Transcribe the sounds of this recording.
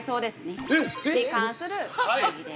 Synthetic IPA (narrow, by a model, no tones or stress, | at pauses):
soːd̪esɨned̪ekãñsɨɾɯ